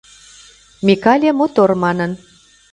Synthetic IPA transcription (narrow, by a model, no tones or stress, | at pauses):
mʲikɑlʲemot̪ormɑnən